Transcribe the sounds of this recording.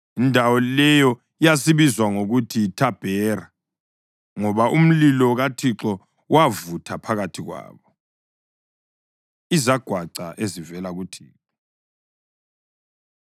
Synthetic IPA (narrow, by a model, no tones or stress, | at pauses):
indʱawɔlɛjɔ | ijas̬iβizwaŋoɣutʰitʰab̥ʱɛːɾa | ŋɔβaʔum̩lilɔɣatʰiǁɔ | wavutʰapʰaɣatʰiɣwa̰ːβɔ | izaɡ̥ʱwaǀa̰ʔezivɛlaɣutʰiːǁɔ